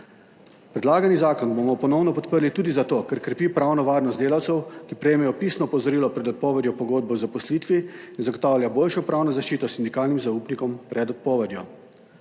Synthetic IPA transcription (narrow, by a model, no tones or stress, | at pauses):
pɾɛd̪laːɡanizaːkɔnbomɔpɔnɔwnɔpɔt̪pəɾlit̪uːd̪izat̪oːkɛɾkɾɛpiːpɾawnɔʋaːɾnɔst̪d̪eːlawt̪sɛwkipɾɛjeːmɛjɔpisnɔpɔzɔɾiːlɔpɾɛd̪ɔt̪̚pɔːʋɛd̪jɔpɔɡoːd̪̚bɔwzapɔsliːt̪ʋiinzaɡot̪aːwlʲjaboːlʃɔpɾaːwnɔzaʃt͡ʃiːt̪ɔsind̪ikaːlnimzauːpnikɔmpɾɛd̪ɔt̪̚pɔːʋɛd̪jɔ̰